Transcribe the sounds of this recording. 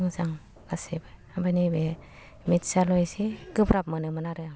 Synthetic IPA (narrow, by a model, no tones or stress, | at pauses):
ŋzaŋ | kasibaabanibe | mitsalɔjsiɡɯbɾap̚mɯnɯmanaɾɯ